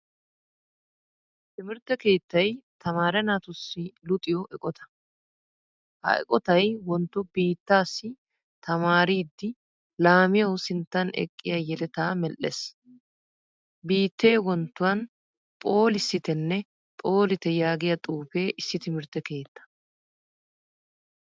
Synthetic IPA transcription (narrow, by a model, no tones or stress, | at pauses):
t̪ɪmɪɾt̪ːɛke̞ːt̪ːɐjt̪ʰɐmaːɾɛnɐt̪ʊsːɪlʊt̪ʼɪjɔʔɛkʼɔt̪ɐ̥ | hɐ̰ɛ̰kʼɔt̪ɐjwɔnt̪ːʊbiːt̪ːaːsːɪ | t̪ʰɐmaːɾiːd̪ːɪ | laːmɪjɐwsɪnt̪ːɐnɛ̰kʼːɪjɐjɛlɛt̪aːmɛlʔːḛs | biːt̪ːe̞ːwɔnt̪ːʊwɐn | pʼo̞ːlɪsːɪt̪ɛnːɛ | pʼo̞ːlɪt̪ɛjaːɡɪjɐt̪ʼuːpe̞ːʔɪsːɪt̪ɪmɪɾt̪ːɛke̞ːt̪ːɐ̥